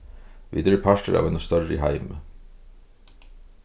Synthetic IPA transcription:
ʋʔḭːd̪əɾəpʰɑʃʈəɾɑ̰ːʋɛnʊst̪œɹəḭːhæɪmə

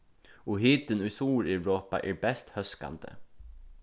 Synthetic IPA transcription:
ɔɦiːt̪ənʉsuːɾɪɹoːpa̰ʔɛːbɛst̪hœska̰nd̪ə̰

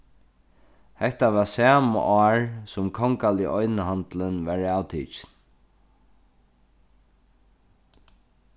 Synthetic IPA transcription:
hɛht̪aʋasaːma̰ʔɔːɹsʊmkʰɔŋkaliʔɔjnəɦant̪lənvaɹawt̪ʰḭːt͡ʃɪn

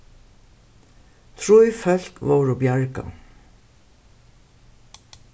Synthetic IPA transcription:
t̪ʰɹujfœl̥kʋoːɹoːbjɑɹka̰

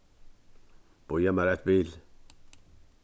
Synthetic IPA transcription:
b̥ojɛmæɾɛt̪biːl

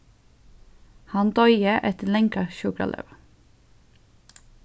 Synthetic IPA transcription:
hɑnd̪ɔʏəʔɛt̪lɛŋkɑʃʉkɾɑ̰lʔø̰ʋ

